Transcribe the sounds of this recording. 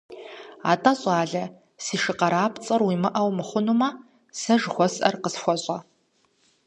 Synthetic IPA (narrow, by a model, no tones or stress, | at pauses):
a̰ːtʼɐɕʼaːɮɐ | siːʂɨqɐɾaːpʰt͡sʼɐrwimɨʔɐwmɨχʷʊnumɐ | sɐʒxʷɔsʼʔɐ̰rqəsxʷɔɕʼɐ